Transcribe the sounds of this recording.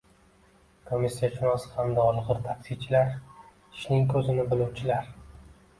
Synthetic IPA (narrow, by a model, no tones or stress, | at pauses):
kʰomisːijaʃʰʊnɒshamd̪aɒlˠʁɨɾt̪ʰaksit͡ʃʰɪlaɾ | ɪ̥ʃnɪŋkʰɵzɪnɪbɪluwt͡ʃʰɪlaɾ